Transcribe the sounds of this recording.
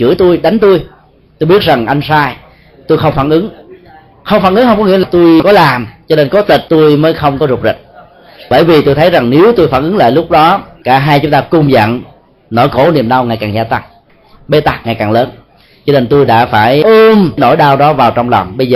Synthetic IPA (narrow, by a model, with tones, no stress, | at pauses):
t͡ɕɨ̰˧˩ət̪u˧jɗa˨˦jŋ̟t̪u˧j | t̪u˧jɓi˦˥ət̚za˨˩ŋʔa˧jŋ̟saː˧j | t̪u˧jxə˧wŋ͡mfaː˧˩nʔɨ˨˦ŋ | xə˧wŋ͡mfaː˧˩nʔɨ˨˦ŋhə˧wŋ͡mkɔ˦ŋḭ˧˥əlːt̪u˧jkɔ˨˦laː˨˩mzɔ˧ne˧nkɔ˨˦t̪i˨˩t̚t̪u˧jməː˨˦jxə˧wŋ͡mkɔ˨˦zʊ˨˩k͡p̚zə̰˨˩t̚ | ɓə̰ː˧˩jvi˨˩t̪u˧jt̪ʰə˨˦jza˨˩ŋne˨˦wt̪u˧jfaː˧˩nʔɨ˨˦ŋla̰ː˧˨jlʊ˦˥k͡p̚ɗɔ˨˦kaː˧˩ɦaː˧jt͡ɕʊ˨˦ŋ͡mt̪aː˧kʊ˧ŋ͡mzə̰˧˨n | nɔ˧˩jxo˧˩ni˨˩əmɗa˧wŋaː˨˩jkaː˨˩ŋzaː˧t̪a˧˩ŋ̚ | ɓe˧t̪a˨˩ŋaː˨˩jkaː˨˩ŋləː˨˦n | zɔ˧ne˧nt̪u˧jɗa̰ː˧˥faː˧˩jə˧mno̰˧˩jɗaː˧wɗɔ˨˦vaː˨˩wt͡ɕɔ˧wŋ͡mlɔ˨˩wŋ͡mɓə˧jzəː˨˩